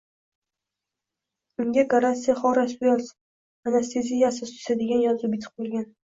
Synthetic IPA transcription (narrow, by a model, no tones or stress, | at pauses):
ʊŋɡʲaɡaɾant̪sijaχɒɾasbʊjɒs | anast̪ʰezijasɪst̪ʰʊ̥sad̪eɡʲanjɒzʊbʲɪt̪ʰɨ̥q̚bolʲˠɡʲan